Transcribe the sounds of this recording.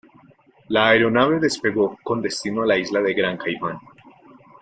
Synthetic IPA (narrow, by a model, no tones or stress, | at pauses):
laːeɾo̞naβe̞ðe̞spe̞ɣo̞ko̞nd̪e̞st̪inoalaizlaðe̞ɡɾaŋkajman